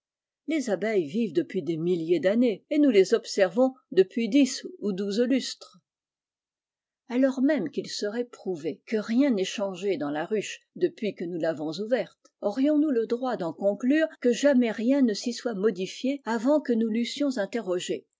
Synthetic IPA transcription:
lezabɛjvivd̪əpɥid̪emiljed̪aneenulezɔbsɛʁvɔ̃d̪əpɥid̪isud̪uzlyst̪χ | alɔʁmɛmkilsəʁɛpχuvekəʁjɛ̃nɛʃɑ̃ʒed̪ɑ̃laʁyʃ | d̪əpɥikənulavɔ̃zuvɛʁt̪ | ɔʁjɔ̃nuləd̪ʁwad̪ɑ̃kɔ̃klyːʁkəʒamɛʁjɛ̃nəsiswamɔd̪ifjeavɑ̃kənulysjɔ̃zɛ̃t̪eʁɔʒe

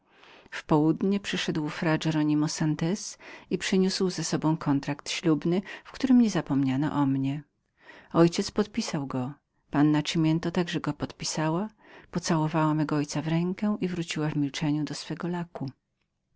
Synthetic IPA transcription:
fpɔwud̪ɲɛpʂɘʂɛd̪wfɾad͡ʐɛɾɔɲimɔsant̪ɛsipʂɘɲuswzɛsɔbɔ̃w̃kʰɔnt̪ɾakt̪ɕlubnɘfkt̪uɾɘmɲɛzapɔmɲanɔ̰ʔɔmɲɛ | ɔjt͡ɕɛt̪spɔt̪̚pʲisawɡɔ | panːat͡ʂimʲjɛnt̪ɔt̪aɡʐɛɡɔpɔt̪pʲisawa | pɔt̪sawɔvawamɛɡɔɔjt̪savɾɛŋkɛʔivɾut͡ɕiwavmʲilt͡ʂɛɲud̪ɔsfɛɡɔlaku

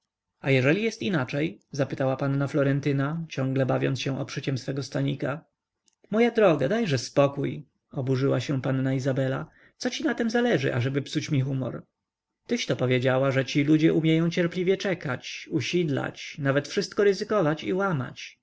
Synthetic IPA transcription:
ajɛʐɛlʲijɛst̪inat͡ʂɛjzapɘt̪awapanːaflɔɾɛnt̪ɘnat͡ɕɔ̃ŋɡlɛbavʲjɔ̰nsɕɛ̃ʔɔpʂɘt͡ɕɛmsfɛɡɔst̪aɲika | mɔjad̪ɾɔɡad̪ajʐɛspɔkuj | ɔbuʐɘwaɕɛ̃panːaizabɛla̰ | t̪sɔt͡ɕinat̪ɛmzalɛʐɘ̰ʔa̰ʐɛbɘpsut͡ɕmʲixumɔ̰ɾ | t̪ɘɕt̪ɔpɔvʲjed͡ʑawaʐɛt͡ɕilud͡ʑɛʔumʲjɛjɔ̃w̃t͡ɕɛɾplʲivʲjɛt͡ʂɛkat͡ɕuɕid̪la̰t͡ɕnavɛt̪fʂɘst̪kɔɾɘzɘkɔvat͡ɕiwama̰t͡ɕ

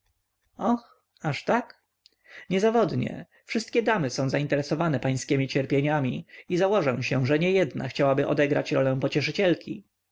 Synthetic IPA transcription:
ɔx | aʂt̪ak | ɲɛzavɔd̪ɲɛ̰ | fʂɘst̪̚kʲɛd̪amɘsɔ̃w̃zaint̪ɛɾɛsɔvanɛpaj̃skʲɛmʲit͡ɕɛɾpʲjeɲamʲiizawɔʐɛ̃w̃ɕɛʐɛɲɛjɛd̪na̰xt͡ɕawabɘʔɔ̰d̪ɛɡɾa̰t͡ɕɾɔlɛ̃w̃pɔt͡ɕɛʂɘt͡ɕɛlkʲḭ

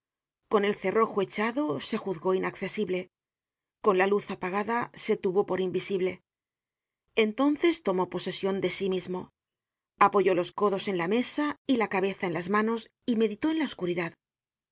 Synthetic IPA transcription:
ko̞ne̞lθe̞ro̞xoe̞t͡ʃaðo̞se̞xuðɣo̞inakθe̞siβle̞ | ko̞nlaluθapaɣ̞aðase̞t̪uβo̞po̞ɾimbisiβle̞ | ent̪o̞nθe̞st̪o̞mo̞po̞se̞sjo̞nd̪e̞simizmo̞ | apo̞ʝo̞lo̞sko̞ðo̞se̞nlame̞sailakaβ̞e̞θae̞nlazmano̞s | ime̞ðit̪o̞e̞nlaoskuɾiðað

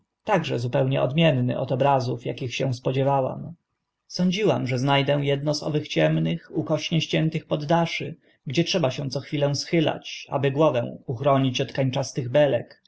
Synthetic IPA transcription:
t̪aɡʐɛzupɛwɲɛ̰ʔɔ̰d̪mʲjɛnːɘ̰ʔɔ̰t̪ɔbɾazufjakʲixɕɛw̃spɔd͡ʑɛvawa̰m | sɔɲd͡ʑiwamʐɛznajd̪ɛw̃jɛd̪nɔzɔ̰vɘxt͡ɕɛmnɘxukɔɕɲɛɕt͡ɕɛnt̪ɘxpɔd̪ːaʂɘ̰ | ɡd͡ʑɛtʂɛbaɕɛ̃t̪sɔxfʲilɛw̃sxɘla̰t͡ɕa̰bɘɡwɔvɛ̃w̃uxɾɔɲit͡ɕɔt̪kaɲt͡ʂast̪ɘɣbɛlɛ̰k

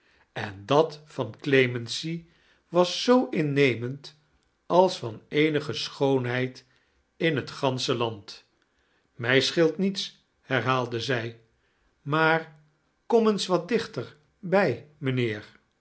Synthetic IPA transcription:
ɛndɑtfɑnklejmɛnsi | ʋɑsːowʔɪnːejmənt | ɑlˠsfɑnejnəχəsχownɦɛjt | ɪnɦətχɑnsəlɑnt | mɛjsχɪlˠtnits | hɛɹɦaːlˠdəzɛj | maːɹ | kɔmənsʋɑt̚dɪχtəɹ | bɛjmənɪːɹ

